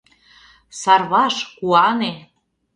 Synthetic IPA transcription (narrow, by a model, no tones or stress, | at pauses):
sɑrβɑʃkuɑne